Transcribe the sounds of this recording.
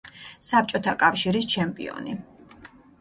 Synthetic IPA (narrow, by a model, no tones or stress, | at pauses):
sap̚t͡ʃʼɔt̪ʰakʼafʃiɾist͡ʃʰɛmpʼḭɔ̰ni